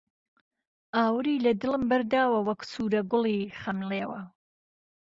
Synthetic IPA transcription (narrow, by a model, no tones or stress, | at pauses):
aːwɾiːlɐd̪ɨləmbɐɾd̪aːwɐwɐksuːɾɐɡʊliːχɐmleːwɐ